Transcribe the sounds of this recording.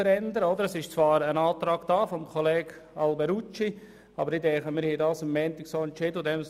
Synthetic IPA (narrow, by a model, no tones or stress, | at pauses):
əɾɛnd̪əɾəɔd̪əɾəsɪʃt͡svɑːɾənɑːt̪ɾɑːɡ̥d̥aːfɔmkʰɔleːɡ | ɑlbɛɾut͡ʃi | ɑ̰bəɾɪdɛχəmɪːɾhɛdɑːsəmːɛːnt̪ɪksoːɛntt͡ʃɪdəʊdɛm